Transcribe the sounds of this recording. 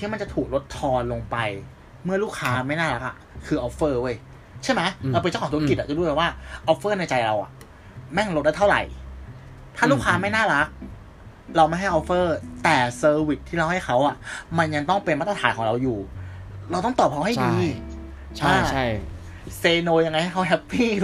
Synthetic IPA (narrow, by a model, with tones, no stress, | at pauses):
t̪ʰi˥˩ma˧nt͡ɕa˨˩t̪ʰuː˨˩k̚ɾo˦˥t̪ʰːɔː˧nlo˧ŋpa˧j | mɯ˥˩ɐluː˥˩kʰaː˦˥ma˥˩jnaː˥˩ɾa˦˥k̚ʔa̰˨˩ | kʰɯː˧ʔɔː˦˥pfɤː˥˩u˥˩˨j | t͡ɕʰa˥˩jma˦˥jɾa˧wpe˧t͡ɕaː˥˩˨u˥˦˥ki˨˩a˨˩t͡ɕa˨˩duː˧˩˧aː˨˩waː˥˩ʔɔ˦˥pfɤː˥˩na˧jt͡ɕa˧jɾa˧wʔa̰˨˩ʔ | mɛ˥˩ŋɾo˦t̪̚da˥˩t̪ʰa˥˩ɾa̰˨˩j | t̪ʰaː˥˩luː˥˩kʰaː˦˥ma˥˩jnaː˥˩ɾa˦˥k̚ | ɾa˧wma˥˩jɦa˥˩jʔɔ˦˥pfɤː˥˩t̪ɛː˨˩sɤː˧wi˨˩t̪ʰːiː˥˩ɾa˧wha˥˩jxʰa˦˥wʔa˨˩ʔma˧nja˧ŋt̪ɔ˥˩ŋpe˧nma˦˥t̪ɾa˧tʰaː˩˦nkʰɔː˨˩˦ŋɾa˧wjuː˨˩ɾa˧wt̪ɔ˥˩ŋt̪ɔː˨˩p̚kʰa˦˥wɦa˥˩diː˧ | a˧˥˩ | seː˧noː˧ja˧ŋːa˧jha˥˩kʰa˦˥ɦɛ˦˥pʰːiː˥˩